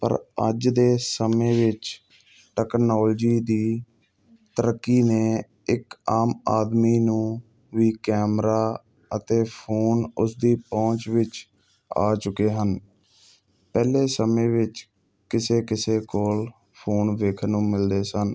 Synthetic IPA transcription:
pə̰ɾə̰d͡ʒd̪eːsəmẽːʋɪt͡ʃ | ʈɛːknoːld͡ʒiːd̪iː | t̪əɾəkːiːneː | ɪkaːmaːd̪miːnũː | ʋiːkɛːmɾaː | ət̪eːpʰoːnʊsd̪iːpɔ̃ːt͡ʃʋɪt͡ʃ | a̰ːt͡ʃʊkeːɦən | pɛːleːsəmẽːʋɪt͡ʃ | kɪseːkɪseːkoːl | pʰoːnʋeːkʰnũːmɪld̪eːsən

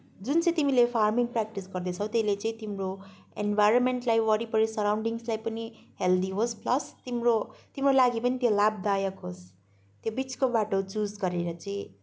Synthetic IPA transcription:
d͡zunt͡sʌĩt̪imilepʰarmiŋprak̚ʈisɡʌrd̪et͡sʰʌwt̪eilet͡sʌĩt̪imroḛnbajɾʌnmeɳʈlajwʌɾipʌɾesʌɾawɳɖiŋslajpʌniheld̪iɦospʰlʌst̪imrot̪imrolaɡipʌnit̪jolab̚d̪ajʌkɦos | t̪jobit͡skobaʈot͡sud͡zɡʌɾeɾʌt͡sʌĩ

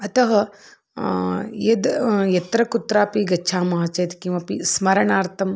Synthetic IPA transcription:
ɐt̪ɐɦɐ | jɐd̪jɐt̪ɾɐkut̪ɾaːpiɡɐːt͡ʃʰaːmaːt͡ʃɐjt̪kĩw̃ɐpismɐɾɐɳaːɾt̪ʰɐm

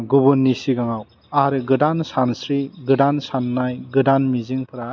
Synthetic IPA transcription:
ɡubunːisiɡaŋaw | aɾɯɡɯdansansɾiɡɯdansanːajɡɯdanmiziŋpʰɯɾa

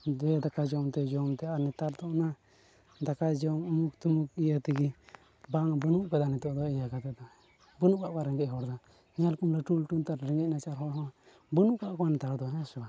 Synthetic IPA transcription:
ɛd̪akad͡ʒɔmt̪ɛd͡ʒɔmt̪ɛanɛt̪aɾd̪ɔʔna | d̪akad͡ʒɔŋumuk̚t̪umukijət̪iɡi | baŋbənuʔkad̪anɛt̪ɔʔd̪ɔijakat̪ɛd̪a | bənuʔkaʔkaɾɛŋɡɛc̚ɦɔɾd̪a | nalkumlɛʈulʈunt̪aɾɾɛŋɡɛc̚nat͡ʃaɾɦɔɾɦɔ̃ | bənuʔkaʔkɔanɛt̪aɾd̪ɔɦɛ̃sɔba

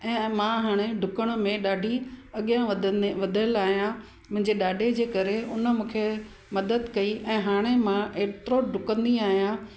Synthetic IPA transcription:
ɛ̃ːmãɦaːɽ̃eɖʱʊkəɽ̃̆mẽɗaːɖʱiɐɠijãʋɐd̪ʱəlaːɦijã | mʊ̃ɦɪ̃ɲd͡ʑeɗaːɖʱed͡ʑeːkɐɾeʊnə̆mũːkʰe | mɐd̪əd̪kɐiʔɛ̃ːɦaːɽ̃emãʔeːt̪ɾoɖʱʊkə̃nd̪iaːɦijã

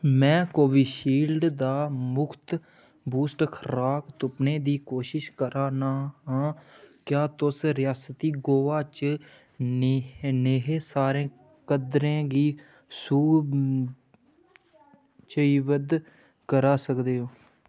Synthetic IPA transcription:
mɛ̃ːkoːʋiːʃiːlɖd̪aːmʊkʰt̪ | buːsʈkʰəɾaːkt̪ʊpnẽːd̪iːkoːʃɪʃkəɾaːnaːɦãːkjaːt̪ʊsɾɪjaːsət̪iːɡoːʋaːt͡ʃ | neːɦeːsaːɾẽː | kəd̪ɾẽːɡiː | suː | t͡ʃəiːʋəd̪ | kəɾaːsəkd̪eːɦoː

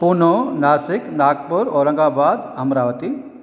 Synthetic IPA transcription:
punonaːsɪknaːk̚pʊɾoɾɐ̃ŋɡaːbaːd̪ɐmɾaːʋət̪i

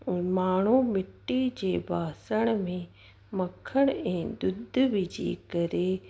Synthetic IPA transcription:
maːɳ̤̃umɪʈːid͡ʑeːbʱaːsəɽ̃mẽ | mɐkʰəɽ̃ɛ̃ːd̪ʊd̪ʱʋɪd͡ʑḭːkɐɾe

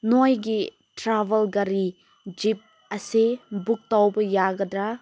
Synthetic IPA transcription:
nojɡi | tɾabɐlɡɐɾi | d͡ʒip̚ | ɐsebuk̚tawbɐjaɡɐdɾa

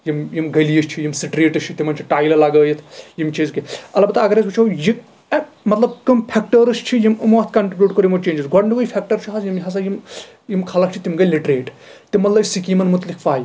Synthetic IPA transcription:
jimjimɡɐlijiʃt͡ʃʰijimsiʈɾeːʈɨst͡ʃʰit̪imɐnʲt͡ʃʰiʈaːjlɐlaɡəːjɐt̪ʰjimt͡ʃʰizkiɐlbɐt̪aɐɡɐɾɐsɡut͡ʃʰowji | mɐt̪lɐbkɐmpʰek̚ʈɐɾɨʃt͡ʃʰijimɨmʋɐt̪ʰkɐɳʈɾibʲjuːʈ̚koɾjimɐt͡ʃeːnd͡ʒisɡʱɐɳɖuɡɐjpʰek̚ʈɐɾt͡ʃʰiɦasjimɦɐs̬ajim | jimkʰalɐkt͡ʃʰit̪imɡɐjliʈɾeːʈ | t̪imːɐt̪lɐbisikiːmɐnmut̪likʰfaːj

